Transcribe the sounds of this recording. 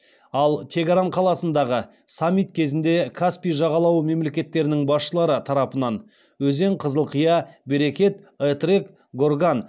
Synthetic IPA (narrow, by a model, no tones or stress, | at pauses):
ɑlˠt̪ʰe̞ɡʲaɾaɴqʰɑlˠɑsənd̪ɑʁə | samʲːijt̪kʲʰe̞zɪnd̪e̞kʰaspijʒɑʁɑlˠɑwəme̞mle̞kʲe̞t̪ːe̞ɾɪnɪŋbɑsʃəlˠɑɾət̪ʰɑɾɑpənɑn | wɵze̞ɴqʰəzəlˠqʰəjɑbeɾe̞kʲe̞t̪ | et̪rek | ɡo̞rɡan